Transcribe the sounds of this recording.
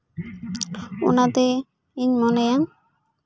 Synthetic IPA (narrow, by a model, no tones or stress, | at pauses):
ṵnat̪ɛ | iɲmɔnejaŋ